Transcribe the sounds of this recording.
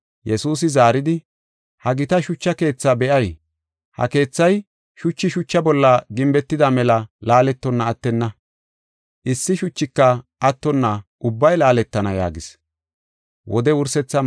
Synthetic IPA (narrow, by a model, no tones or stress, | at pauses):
jɛsuːs̬ɪzaːɾɪd̪ɪ | hɐɡɪt̪ɐʃʊt͡ʃːɐke̞ːt͡sːabɛʔɐj | hɐ̰ke̞ːt͡sːɐj | ʃʊt͡ʃːɪʃʊt͡ʃːɐbɔlːɐɡɪmbɛt̪ːɪd̪ɐmɛlɐlaːlɛt̪ːɔnːɐːt̪ːɛnːɐ | ʔɪsːɪʃʊt͡ʃːɪkːɐʔɐt̪ːɔnːɐʔʊbːɐjlaːlɛt̪ːɐnɐja̰ːɡɪs | wʔɔ̰d̪ɛʊɾsɛt͡sːɐ